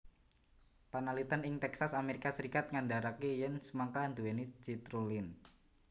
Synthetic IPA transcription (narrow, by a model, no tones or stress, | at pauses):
panalit̪ənɪŋt̪ɛksasameɾikasəɾikat̪̚ŋandaɾakejɛnsəmaŋkand̪uwenid͡ʒit̪ɾulɪn